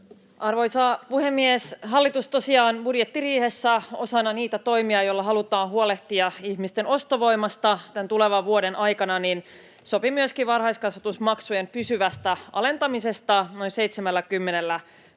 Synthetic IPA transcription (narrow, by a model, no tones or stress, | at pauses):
ʔɑrʋo̞jsɑːpuhemːiesɦɑlːit̪ust̪o̞siɑːnbudjet̪ːiriːhe̞sːæo̞̰sɑnːɑniːt̪æt̪o̞imiɑjolːɑɦɑlut̪ɑːnɦuole̞ht̪iɑihmist̪e̞no̞st̪oʋo̞imɑst̪ɑt̪ænt̪uleʋɑʋʋuo̞denʔɑjkɑnɑnin | so̞pimyøskiʋɑrhɑjskɑsʋɑt̪usmɑksuje̞mpysyʋæst̪æɑ̰le̞nt̪ɑmise̞st̪ɑno̞inse̞jt̪semælːækymːe̞nelːæ